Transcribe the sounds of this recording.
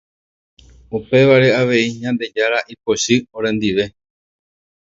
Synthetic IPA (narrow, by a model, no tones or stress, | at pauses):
upe̞ʋaɾe̞aʋe̞iɲãnd̪e̞d͡ʒaɾaʔipo̞ʃɨoɾẽ̞nd̪iʋe̞